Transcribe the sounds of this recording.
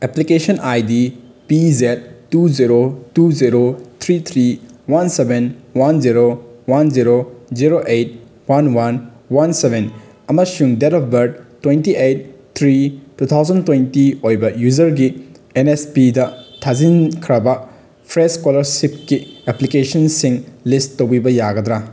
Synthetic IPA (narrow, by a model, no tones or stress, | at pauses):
eplikesɐnʔajdi | pizet̚ːuziɾotuziɾot̪ʰɾit̪ʰɾiwansebenwanziɾowanziɾoziɾoʔejt̚ | wanwan | wansebʱen | ɐmɐsuŋdetɔp̚ʰbɐɾd̚tːwentiʔejt̚t̪ʰɾitut̪ʰawzɐntwejntiojbɐjuzɐɾɡi | enespidɐtʰazinkʰɾɐbɐ | pʰɾeskolɐɾsip̚kiɛplikesɐnsiŋlisːowbibɐjaɡɐd̪ɾa